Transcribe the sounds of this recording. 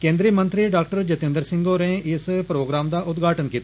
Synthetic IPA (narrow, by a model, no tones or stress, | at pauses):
kẽːnd̪ɾiːmənt̪ɾiːɖaːk̚ʈəɾd͡ʒət̪ɪ̃nd̪əɾsɪŋɡoːɾɛ̃ːɪspɾoːɡɾaːmd̪aːʔʊt̪ɡʱaːʈənkiːt̪a